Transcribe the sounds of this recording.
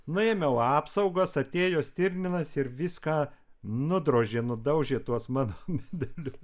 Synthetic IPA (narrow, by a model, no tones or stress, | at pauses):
nʊemʲɛʊɑːpsɐʊɡɐsɐt̪ʲeːjoːsʲt̪ʲɪɾʲnʲɪnɐsɪɾʋʲiskɑː | nʊd̪ɾoːʒʲeːnʊd̪ɐʊʒʲeːt̪uɔsmɑːnoːmʲæːd̪ʲɛlʲʊs